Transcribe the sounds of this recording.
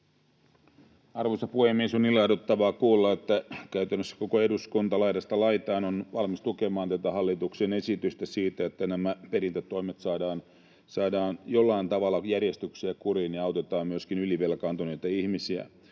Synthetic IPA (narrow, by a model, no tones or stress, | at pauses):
ɑrʋosɑpuhemːiesonːilːɑdot̪ːɑʋɑːkuːlːɑet̪ːækæyt̪ænːøsːæ̥ko̞koeduskunt̪ɑlɑjdɑst̪ɑlɑjt̪ɑːnonʋɑlmist̪ukemɑːnt̪æt̪æhɑlːit̪uksene̞sit̪yst̪æsiːt̪æet̪ːænæmæpeɾint̪æt̪ːo̞imet̪sɑːdɑːn | sɑːdɑːnjolːɑint̪ɑʋɑlːɑjærjest̪yksiækurinjiɑwt̪e̞t̪ɑːmmyøskinyliʋelkɑːnt̪onit̪æihmisiæ̰